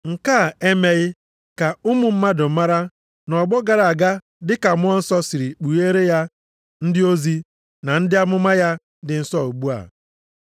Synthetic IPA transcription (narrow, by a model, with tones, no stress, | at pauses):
ŋ̩˨ka˦˨e˦me˦ɣɪ˦ | ka˨ʊ˦mʊ˨m̩˦ma˦dʊ˨˦ma˦ɾa˦ | nɔ˨ɡ͡bɔ˦ɡa˨ɾa˨a˨ɡa˦ | dɪ˦ka˨mʊ˦ɔ˦n̩˦sɔ˦si˨ɾi˨k͡pu˨je˦ɾe˦ja˦ | n̩˦dɪ˦o˦zi˦ | na˨n̩˦dɪ˦a˦mʊ˦ma˦ja˦ | dɪ˨n̩˦sɔ˦˨o˨ɡ͡bu˦a̰˨